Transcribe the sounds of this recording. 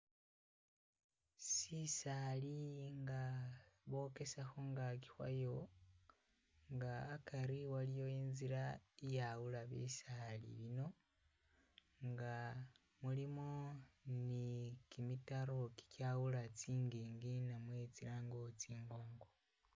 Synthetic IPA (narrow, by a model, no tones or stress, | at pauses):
sisaliŋɡaβo̞ke̞saxoŋɡaki̥xwa̰jo̞ | ŋɡaːkaɾiwalijo̞iːnziɾaijawulaβḭsalḭβino̞ | ŋɡa | mulimonikimitaɾo̞ki̥kjawulat͡siːŋɡiːŋɡinamwe̞t͡silaːŋɡot͡siːŋɡo̞ːŋɡo